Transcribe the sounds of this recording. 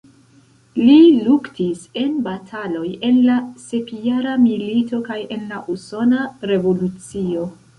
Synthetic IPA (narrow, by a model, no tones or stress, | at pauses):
liluktise̞nbatʰalo̞je̞nlase̞kjaɾamilito̞kaje̞nlaʔuso̞naɾe̞vo̞lut͡sio̞